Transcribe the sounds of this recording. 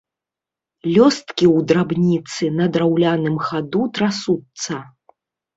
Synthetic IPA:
lʲɔst̪kʲiwd̪ɾabnʲit̪sɨnɐd̪ɾawlʲanɨmxad̪ut̪ɾasut̪sɐ

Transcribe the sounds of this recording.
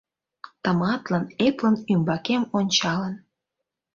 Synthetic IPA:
t̪əmɑt̪lɑneplənymbɑkemonʲt͡ɕɑlən

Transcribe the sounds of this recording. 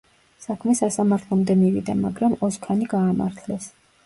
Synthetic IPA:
sakʰmɛsasamaɾt̪ʰlˠɔmd̪ɛmivḭd̪amaɡɾamɔzkʰaniɡaːma̰ɾt̪ʰlɛs

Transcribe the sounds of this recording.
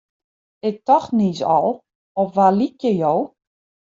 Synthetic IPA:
ɪk̚tɔxnisɔ̰lˠ | ɔfʋalikjəjow

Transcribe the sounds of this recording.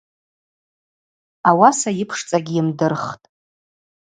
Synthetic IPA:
awasajɪpʰʂt͡sʼaɡʲiimdɨrχtʼ

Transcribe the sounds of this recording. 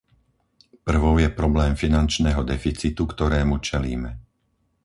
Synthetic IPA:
pr̩ʋɔʊjɛpɾɔblɛːmfinant͡ʃnɛɦɔd̪ɛfit͡sit̪ukt̪ɔɾɛːmut͡ʃɛlḭːmɛ

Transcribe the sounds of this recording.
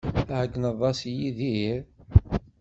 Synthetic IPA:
θahəɡnəðˤːɑsjiðiiɾ

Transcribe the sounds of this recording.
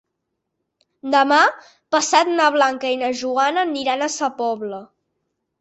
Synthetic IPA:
d̪əma | pəsat̪naβ̞laŋkəinəʒuanənːiɾanəsəpɔβlə

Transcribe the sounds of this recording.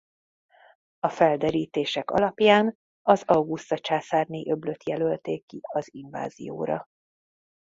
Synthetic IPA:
ɒfɛld̪ɛɾiːt̪eːʃɛkɒ̰lɒpjaːn | ɒzɒwɡust̪ɒt͡ʃaːsaːrniʔø̞blø̞t̪jɛlølt̪eːkːiɒziɱva̰ːzḭjo̰ːɾɒ̰

